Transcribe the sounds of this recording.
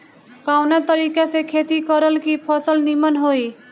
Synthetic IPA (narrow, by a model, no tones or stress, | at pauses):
kawnat̪əɾiːkasekʰet̪ikəɾəlkipʰɔsəlnimənɦoi